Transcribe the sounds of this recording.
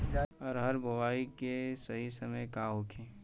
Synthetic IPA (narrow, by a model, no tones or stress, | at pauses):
ɔːɾɦɐɾbɐwaːikesɐɦisɐməjkaːɦokʰẽː